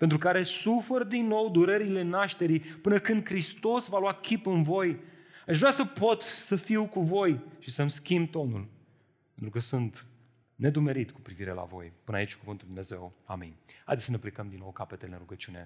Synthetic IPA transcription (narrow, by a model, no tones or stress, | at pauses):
pent̪ɾukaɾe̞suferd̪inːo̞wd̪uɾeɾile̞naʃt̪e̞ɾipɨnəkɨnd̪̚kɾist̪o̞svalwakʲipɨnvo̞jaʃvɾeasəpo̞t̪səfiwkuvo̞jʃisəmskʲimbt̪o̞nul | pent̪ɾukəsunt̪ | ne̞d̪ume̞ɾit̪ku̥pɾiviɾe̞̰la̰vo̞̰jpɨna̰it͡ʃʲkuvɨnt̪uld̪umne̞ze̞̰wa̰mḭnʲha̰jd̪esəne̞plekəmd̪inːo̞wkape̞t̪elḛnɾuɡət͡ʃiune̞̰